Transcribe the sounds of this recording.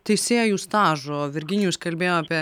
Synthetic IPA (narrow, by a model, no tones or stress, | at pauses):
t̪ɐɪsʲeːjuːst̪ɑːʒoːʋʲɪɾʲɡʲɪnʲɪjuːskɐlʲbʲeːjoːaːpʲiɛ